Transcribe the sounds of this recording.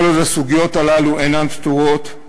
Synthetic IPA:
lotasuɡijo̞t̪alaluʔenanpt̪uʁot̪

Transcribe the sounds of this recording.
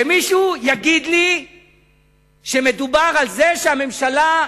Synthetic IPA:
emiʃujaɡid̪li | ʃe̞me̞dubaʁalzeʃeame̞mʃala

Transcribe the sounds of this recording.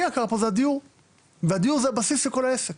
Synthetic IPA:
akaʁapozead̪ijuʁ | vead̪iuʁzeabasisleko̞laesek

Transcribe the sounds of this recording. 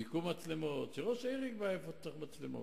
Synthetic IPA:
ikumat͡slemot̪t͡ʃiʁoʃejʁikbajefot̪aχmat͡slemo̰

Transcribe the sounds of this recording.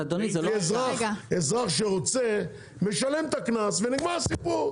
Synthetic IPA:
ad̪onizezʁaezʁaχʃeʁot͡se | meʃalemt̪aknasveniɡmaʁasipuʁ

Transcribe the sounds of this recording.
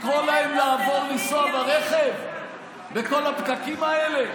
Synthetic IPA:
kʁolaemlaːvo̞ʁnisoabaʁeχe̞v | beko̞lapkakimaele̞

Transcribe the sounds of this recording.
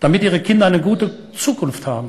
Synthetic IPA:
d̥amɪtʔiːʁ̞əkʰɪndɐaɪnəɡuːtə | t͡suːkʰʊnfthaːbm̩

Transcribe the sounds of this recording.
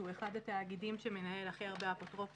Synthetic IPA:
ue̞χad̪at̪aːɡidimʃeme̞nae̞laχiaʁbeapot̪ʁo̞f

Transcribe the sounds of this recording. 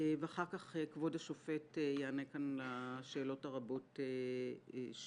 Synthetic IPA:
veaχaʁkaχekvodaʃofetejeanekanlaʃe̞ːlo̞taʁabote

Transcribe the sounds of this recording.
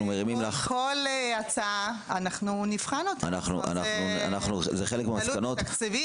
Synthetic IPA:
umeʁimimlaχkoleat͡saaanaχnunifχanot̪a̰naχnṵʔa̰nanua̰naχnuzeχelekmeamaslukano̞tkt͡sevi

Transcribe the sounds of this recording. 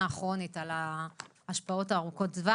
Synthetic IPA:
aːχʁo̞nitala | aʃpao̞taːʁuko̞tzva

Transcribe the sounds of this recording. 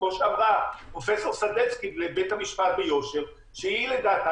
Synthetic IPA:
oʃeavʁapʁo̞fe̞so̞ʁsadet͡skilebet̪hamiʃpat̪̚bejo̞ʃe̞ʁ | ʃeiled̪at̪a

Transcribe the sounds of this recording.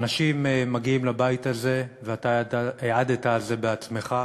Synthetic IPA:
naʃimeːaɡiimlabaitaze̞veat̪aaeʕad̪etaːlze̞beat͡sme̞χa

